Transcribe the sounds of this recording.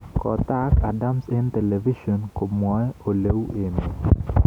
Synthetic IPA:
kɔ˨t̪a˦ka˨da˦mse˦nt̪ɛ˨le˨vi˦ʃo˨nko˨mwɔ˦ɛ˦o˨le˦we˨ni˨

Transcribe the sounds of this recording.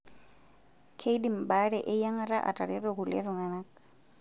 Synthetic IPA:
kʰe˦i˦dim̩baɺɛʔɪ˦ja˦ŋa˦ɾa˦ʔa̰˨tʼa˨ɾɪɾɔɣʊlɛ̰ɾʊ˨ŋa˨na˦k

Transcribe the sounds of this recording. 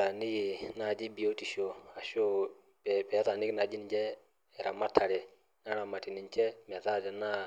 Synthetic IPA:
ɾa˨nɪ˦ki˨na˦˨d͡ʒi˦bi˨o˦ti˨ʃo˨a˨ʃo˦ | pɛpɛ˨˦ta˨nɪ˦ki˦na˨d͡ʒi˦nd͡ʒɛ˦ | ɛ˨ɾa˨ma˦tʰa˨ɾɛ˨ | ŋa˦ɾa˨ma˨ti˨ni˨nt͡ʃɛ˦mɛ˨ta˦dɛ˨na˦

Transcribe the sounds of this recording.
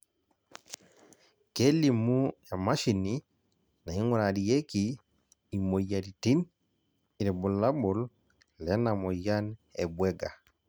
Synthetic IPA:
ke˦li˨mu˦ja˨ma˦ʃi˨ni˦ | na˨i˦ŋɔ˦ɾa˨di˨je˦kiː˦˨ | mo˨ja˨ɾi˨ti˦n | i˨ɾɛ˨bʊ˨la˦bo˨l | lɛ˨˦na˨mɔ˨ja˦nɛ˨bwɛ˦ɡa˨

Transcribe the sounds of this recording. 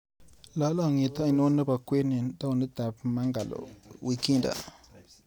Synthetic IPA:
lɔ˨˦lɔ˦˨ŋi˨ta˦a˦˨ɲno˦nə˦ba˨kʷe˦ni˨ta˦wnə˦ta˨p̚ma˦ŋɡa˨lo̰˨wi˦ki˦nda̰˨

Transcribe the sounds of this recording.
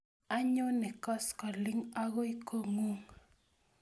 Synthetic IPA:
a˦ɲo˦nɪ˨kɔ˦skɔ˨lɪ˦ŋa˦ɣɔ˦i˦ko˦ŋu˦ŋ

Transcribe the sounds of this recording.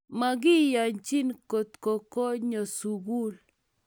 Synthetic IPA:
ma˨ɡɪ˦ja˨ɲt͡ʃi˦nko˨t̪ko˨ko˦ɲo˨su˨ɡu˦l

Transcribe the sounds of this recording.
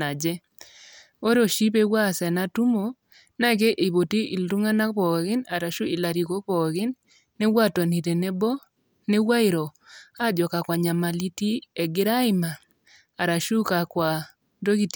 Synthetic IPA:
a˨d͡ʒɛ˦ | o˦ɾo˨ʃi˦p̬e˦wa˦˨sɛ˨na˦tu˦mo˨ | na˦ɡe˦ʔɪ˨bo˨ti˦ʔi˨ldu˦ŋa˦na˦pɔ˨ɣɪ˦na˨ɾa˨ʃu˦i˨la˨ɾi˨ko˦pɔ˨ɣɪ˦nː | e˦wa˦˨to˨ni˨ɾe˨ne˦bɔ˦ | ne˦wa˦ɪ˨ɾɔ˨a˦d͡ʒɔ˨ka˨kwa˨ɲa˨ma˨li˦ti˦ɛ˨ɡɪ˦ɾa˦ɪ˦maː˨ | ɾa˨ʃu˦ka˨kwa˨ | do˦ɡi˦˨t

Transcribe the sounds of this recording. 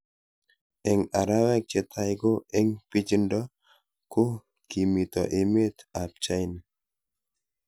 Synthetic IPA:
ɛ˨ŋa˨ɾa˦wɛ˦k̚t͡ʃe˨t̪ʰa˦jɡo˦e˦ŋpi˦t͡ʃi˦ndɔ˦ | ko˦ | ki˨mi˨t̪ɔ̰˨ʔɪ˨me˦t̪a˨p̚t͡ʃa˦jn

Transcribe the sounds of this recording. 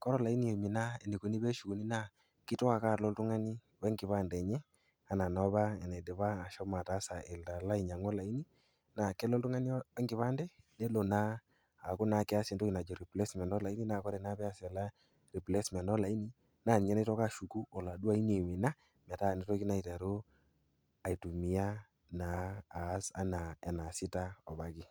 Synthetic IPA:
kɔ˦ɾɔ˦˨la˨i˦ni˨e˨mɪ˨na˦ɛ˨ni˨ko˨ni˦bɛ˦ʃu˨ku˨ni˦na˦˨ | kɪ˦tɔ˦a˨ka˦˨lɔ˦ltu˦ŋa˦ni˦ | wɛ˦ŋɡɪ˨βa˦ndɛ˨ɲɛ˦ | a˨na˨nɔ˨˦ba˦ɛ˨nɛ˨dɛ˨βaː˦˨ʃɔ˦ma˨ta˦sa˨ʔe˨lta˨la˦i˨ɲa˨ŋɔ˦la˨i˦ni˦ | na˨kɛ˦lɔ˦ltu˦ŋa˦ni˦ɛ˦ŋɡɪ˨βa˦ndɛ˦nɛ˦lo˨naː˦˨ | kʊ˦na˨kɛ˦a˦sɛ˨n˦to˦ki˨na˨d͡ʒɔ˨ɾi˨plɛ˦smɛ˨ndɔ˦la˨i˦ni˦na˦˨kɔ˦ɾɛ˨na˦pɛ˦a˨sɛ˨la˦ | ri˨plɛ˦smɛ˨ndɔ˦la˨i˦ni˦ | na˦˨n˨ɲɛ˦ne˦tɔ˦ka˦˨ʃu˨ku˦ɔ˨la˨du˦a˦i˦ne˨wɪ˨na˦ | mɛ˨ta˦˨ne˦tɔ˦ki˦na˦i˨ta˨ɾo˦ | a˨i˨tu˨mi˨a˦ | naː˨˦sa̰˦na˨ɛ˨na˨sɪ˦ta˦ɔ˨ba˨kɪ˦

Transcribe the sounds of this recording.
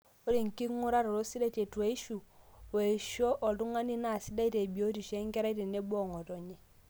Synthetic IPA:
o˦ɾi˨ŋ˨ki˦ŋu˦ɾa˦ɾɔ˨ɾo˦si˦da˦˨te˨tu˨e˨˦i˦ʃu˨we˨ʃɔ˦ʔɔ˨tu˦ŋa˦ni˦na˨si˦da˦i˦te˨bi˨o˦ti˨ʃe˦ŋ˦kɛ˦ɾa˦i˦te˨ne˦bɔ˦˨ŋɔ˨tɔ˨ɲɛ˨

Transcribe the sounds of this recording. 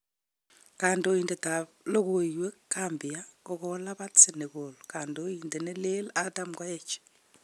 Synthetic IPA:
kaː˨ndo˨inde˨ta | lo˦ɣoiwe˦kaːmbia˦koɣolaβa˦t͡sene˨ɣolokaː˨ndo˦inde˨ne˦le˦la˦ta˦mkwa˦jet͡ʃe̥

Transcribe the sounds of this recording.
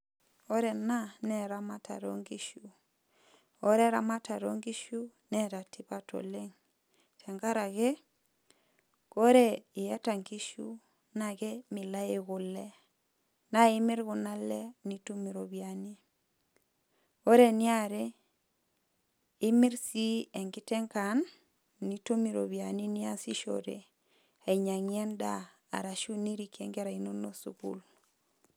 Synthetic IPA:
o˦ɾɛ˨na˦nɛ˨ɾa˦ma˦ta̰˨ɾo̰˦ŋɡi˦ʃu˨ | o˦ɾɛ˦ɾa˨ma˦ta˨ɾo̰˦ŋɡi˦ʃu˦ | nɛ˦ɾa˨ti˦pa˦to̰˨le˦ŋ | tʰɛ˨ŋɡa˦ɾa˨ɣɛ˦ | ko˦ɾe˦i˨ja˦ta˨ŋɡi˦ʃu˦ | na˨ɣɛ˦mɪ˨la˦e˦ɣʊ˨lɛ˦ | na˦ɪ˦mi˦ɾɣu˨na˦lɛ˦ni˦to˦mi˨ɾo˨βiani˦ | ko˦ɾe˨ni˦a˨ɾe˦ | i˦mɪ˦ɾsi˦ɛ˨ŋki˦tɛ˦ŋka˨nː | i˦to˦mi˨ɾo̰˨βja˨ni˦ni˦a˦si˦ʃo̰˨ɾḛ˨ | a˨i˨ɲa˨ŋiɛ˦nda˦ | a̰˨ɾa˨ʃu˦ni˦ɾi˨ke˦ŋɡɛ˦ɾa˨i˦no˦no˦sṵ˨kṵ˦l

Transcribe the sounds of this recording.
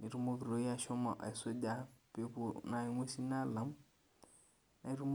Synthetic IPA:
ni˨ɾu˦mo˦ki˨ɾo˨˦i˦a˨ʃɔ˦ma˨ʔa̰˨ɪ˨so˦da˦pe˦po˨na˨i˨ŋʷe˦si˦na˦lã˨˦m˦ | na˨i˦ɾu˦m

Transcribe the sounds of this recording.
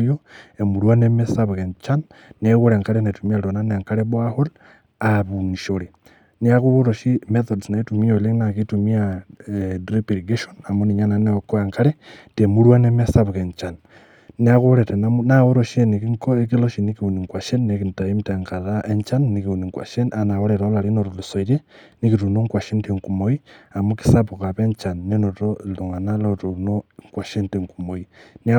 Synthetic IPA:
joemuɾwanemesaβɣent͡ʃanː | eɣuɾe˨ŋkaɾenatumialonane˨ŋkaɾeβwahol | aβuniʃoɾi | niaɣuoɾoʃimeθodsnaitumioleŋnakitumia | dɾipiɾiɡeʃonamoni˨ɲananeokoeŋkaɾetemuɾwanemesaβɣeɲt͡ʃanː | e˦a˦ɣo˦ɾe˨te˨na˦mna˦o˦ɾo˦ʃe˦ni˨ki˦ŋko˦e˦k̬i˦lo˦ʃi˨ni˦ki˨u˨ni˨ŋkwa˨ʃe˦nːe˨ki˨nta˨i˦mte˨ŋka˨ða˦ʔe˦nt͡ʃa˦nːi˦ki˨u˨ni˨ŋkwa̰˨ʃe˦na˨na˨wo˦ɾe˨ɾɔ˦la˨ɾi˦no˨ɾo˨li˨so˨i˨ɾe˦ni˦ki˨tu˨no˦ŋkwa˨ʃe˦nte˨ŋku˨mo˨i˦a˨moki̥˦sa˦po˨ka˨pe˦nt͡ʃa˨nːe˦no˨to˦lu˨ŋa˨na˦lo˦to˨noŋkwa˨ʃe˦nte˨ŋku˨mo˨ini˦a˦

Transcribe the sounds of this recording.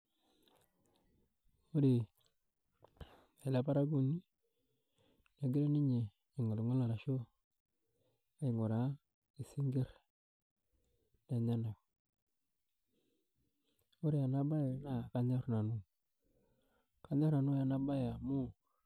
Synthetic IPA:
o˦ɾe˨ | e˨la˦pa˦ɾa˦ɡu˦˨ni˦ | na˨ɡi˦ɾe˦ni˦ɲe˨ | i˨ŋo˨lu˨ŋo˦la˨ɾa˨ʃo˦ | a˦i˨ŋo˨ɾa˨˦ | i˨si˦ŋɡe˦ɾ | na˨ɲa˦na˨ | o˦ɾe˨a˨na˦ba˦ja˨na˦˨ka˦ɲa˦ɾna˨nu˦ | ka˦ɲa˦ɾna˨nu˦ja˨na˦ba˦ja˨mu˦

